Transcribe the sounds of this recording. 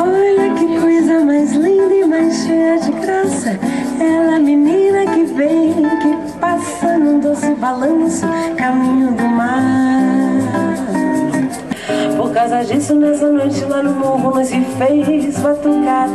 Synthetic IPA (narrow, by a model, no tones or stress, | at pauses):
ɔʎɐkɪkojzɐmajzlĩd̪ɐɪmajsʃejɐd͡ʒɪɡɾasɐ | ɛlɐminĩnɐkɪvẽj̃kɪ | pasɐnũd̪osɪbalɐ̃sʊkamĩɲʊd̪ʊma | poɾkawzɐd͡ʒisʊnɛsɐnojt͡ʃɪlanɐ̃w̃mowvɐ̃nɐzɪfejɪspɾat̪okaɾ